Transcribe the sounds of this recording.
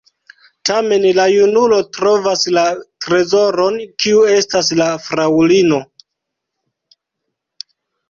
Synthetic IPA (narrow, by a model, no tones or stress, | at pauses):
tame̞nlajunulo̞tɾo̞vaslatɾe̞zo̞ɾo̞nkiue̞stas̬lafɾawlino̞